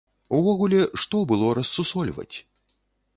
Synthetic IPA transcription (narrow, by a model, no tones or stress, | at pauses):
uvɔɣulʲɛʂt̪ɔbɨlˠɔɾɐsːusɔlʲvɐ̰t͡sʲ